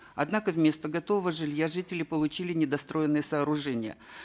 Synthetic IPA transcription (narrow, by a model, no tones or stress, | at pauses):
ɐd̪nakəvmʲe̞st̪əɡɐt̪ovəvəʐɨlʲjaʐɨtʲɪlʲɪpəlˠʊt͡ɕilʲɪnʲɪd̪ɐst̪ɾo̞jɪnːɨjəsɐːɾʊʐɛnʲɪjə̰